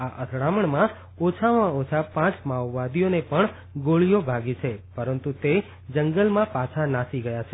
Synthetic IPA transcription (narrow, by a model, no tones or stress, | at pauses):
aʔət̪ʰɽaməɳmã | ot͡ʃʰaʋãot͡ʃʰapãt͡ʃmaʋːad̪ijonepəɳ | ɡoɭijobʱaɡit͡ʃʰepəɾənt̪ut̪e | d͡ʒəŋɡəlmãpat͡ʃʰanasiɡəjat͡ʃʰe